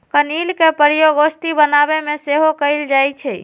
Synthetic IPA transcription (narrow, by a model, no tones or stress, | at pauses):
kənilkepəɾjoɡost̪ibənabemeseɦokəɪld͡ʒajt͡ʃʰɛ